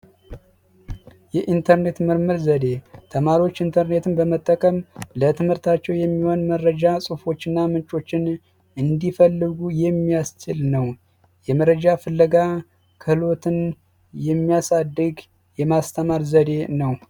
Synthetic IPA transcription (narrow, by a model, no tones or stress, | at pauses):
jɛʔint̪ʰəɾne̞t̪mɨɾmɨɾzəd̪e̞t̪ʰəmaɾiwo̞t͡ʃːɨnt̪ʰəɾne̞t̪ʰɨnbəmət̪ʼːəkʼəmlət̪ʰɨmhɨɾt̪ʰat͡ʃːɛwjɛmːihwo̞nməɾəd͡ʒasʼɨfo̞t͡ʃːɨnːamɨnt͡ʃʼo̞t͡ʃːɪn | ʔɨnd̪ifəlːɨɡujɛmːijast͡ʃɪlnəw | jɛməɾəd͡ʒafɨlːəɡa | kʰɨhɨlo̞t̪ʰɨn | jɛmːijasad̪ːɨɡ | jɛmast̪ʰəmaɾzəd̪e̞nəw